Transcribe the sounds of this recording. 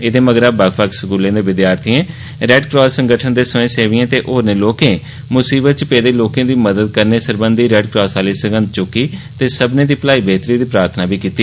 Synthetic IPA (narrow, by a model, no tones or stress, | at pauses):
ɪd̪eːməɡɾabəkʰʋəksəɡuːlẽːd̪eːʋɪd̪jaːɾt̪ʰiẽː | ɾɛːɖkɾɔːsːəŋɡəʈʰənd̪eːsəẽːseːʋiːẽːt̪eːʔoːɾnẽːloːkẽː | mʊsiːbət̪̚t͡ʃpeːd̪eːloːkẽːd̪iːməd̪əd̪̚kəɾneːsəɾbənd̪iːɾɛːɖkɾɔːsaːliːsəɡə̃nd̪̚t͡ʃʊkːiːt̪eːsəbnẽːd̪iːpəlaːiːbeːt̪ɾiːd̪iːpɾaːɾt̪ʰnaːbʱiːkiːt̪iː